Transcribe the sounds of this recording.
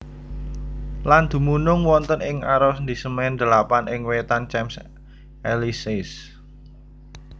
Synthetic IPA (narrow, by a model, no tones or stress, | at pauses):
land̪̥ṳmunʊŋwɔnt̪ənɪŋaɾɔsnd̪isəmnd̪̥ə̤lapanʔɪŋwet̪ant͡ʃɛms | ʔɛlisɪs